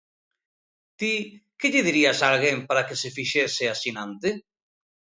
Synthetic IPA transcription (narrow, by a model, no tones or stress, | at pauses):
t̪ikeʎɪðiɾiasalɣempaɾakesefiʃesɪasinãnt̪e